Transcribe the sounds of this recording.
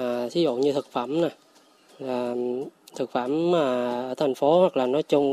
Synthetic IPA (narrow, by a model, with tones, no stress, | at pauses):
sʰi˨˦zʊ̰˧˨ŋ͡mɲɨ˧t̪ʰɨ˨˩k̚fə˧˩˨mnaː˨˩ | laː˨˩t̪ʰɨ˨˩k̚fə˧˩mːaː˨˩ʔəː˧˩t̪ʰa˨˩jŋ̟fo˨˦hwa˨˩k̚laː˨˩nɔ˨˦jt͡ɕʊ˧ŋ͡m